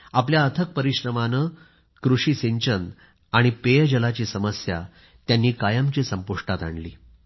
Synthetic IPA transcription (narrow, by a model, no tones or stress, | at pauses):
apljaət̪ʰək̚pəɾiɕɾəmanəː | kɾuʂiːseɲt͡ɕən | aɽ̃ipejəd͡ʑəlat͡ɕiːsəməsja̰ | t̪janːiːkajəmt͡ɕiːsəmpuʂʈat̪a̰ɳliː